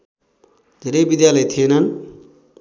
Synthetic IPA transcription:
d̪ʱeɾʌjbid̪jalʌjt̪ʰienʌn

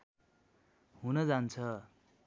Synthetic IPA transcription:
ɦunʌd͡zant͡sʰʌ

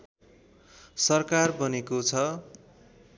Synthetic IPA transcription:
sʌrkarbʌnekot͡sʰʌ

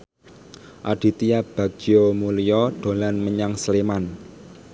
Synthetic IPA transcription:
ʔa̰ɖ̥i̤t̪ijab̥a̤ɡ̥ijomulijɔɖ̪̥o̤lanməɲaŋsleman

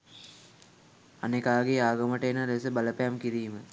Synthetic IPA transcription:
anekaːɡeaːɡɐməʈəenaɾesəbɐləpejamkiɾiːmə

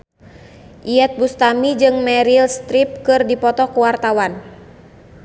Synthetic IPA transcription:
ʔiɛt̪̚bust̪amid͡ʒɨŋmɛɾilst̪ɾip̚kɨrdipɔt̪ɔkuwart̪awan

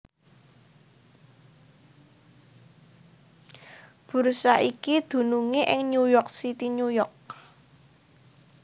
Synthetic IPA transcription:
b̥ṳrsaʔikid̪̥ṳnuŋeʔɪŋɲujɔk̚sit̪iɲujɔk̚

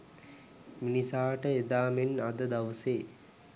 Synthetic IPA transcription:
minisaːʈəed̪aːmenad̪əd̪aʋəseː

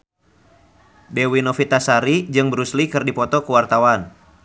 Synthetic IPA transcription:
dewinɔfit̪asaɾid͡ʒɨŋbəɾuslikɨrdipɔt̪ɔkəwart̪awan

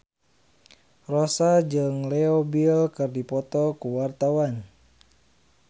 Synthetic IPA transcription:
rosad͡ʒɨŋlɛobilkɨrdipɔt̪ɔkuwart̪awan

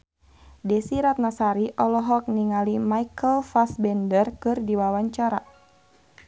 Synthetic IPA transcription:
dɛsiɾat̪̚nasaɾiʔɔlɔɦɔk̚niŋalimaikəlfasbɛndərkɨrdiwawaɲt͡ʃaɾa

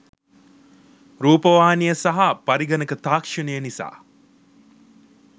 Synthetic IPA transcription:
ɾuːpɐʋaːnijəsɐɦapɐɾiɡɐnəkət̪aːkʂənəjənisa̰ː

